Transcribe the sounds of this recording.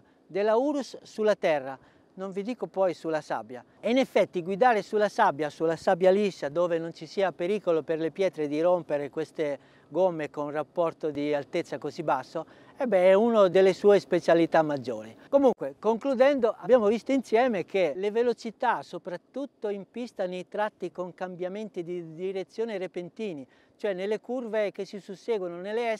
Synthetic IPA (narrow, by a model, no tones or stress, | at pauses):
d̪elauɾusːulːat̪ɛrːa | noɱvid̪iːkopɔjsulasa̰bːja | ɛinɛfːɛt̪ːiɡwid̪aːɾesulasabjasulasabjalisːad̪ɔːvenont͡ʃisiːapeɾiːkoloperlepjɛːt̪ɾed̪irompeɾekwest̪e | ɡomːekonrapːɔɾt̪od̪ialt̪et̪sːakozibasːo | ɛbɛɛunod̪elːesuːespet͡ʃalit̪amːad͡ʒːoːɾikomuŋkwekoŋklud̪ɛnd̪oʔabjaːmovist̪oinsjɛːmekʰelevelot͡ʃit̪asopɾat̪ːut̪ːoimpist̪anoit̪ɾat̪ːikoŋkambjament̪id̪id̪iɾet̪sːjoːnerepent̪iːni | t͡ʃoɛnːelːekurvek̟esːisusːɛːɡwononelːeɛ